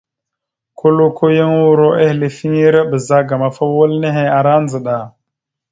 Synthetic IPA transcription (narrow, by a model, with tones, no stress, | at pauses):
kʰo˦lo˦kʰo˦ja˦ŋwu˦ɾo˦ʔe˦hle˨fi˦ŋi˦ɾa˦bə˨za˦ɡa˨ma˨fa˦wo˦lne˦ɦe˨a˨ɾa˦nd͡zə˨ɗa˨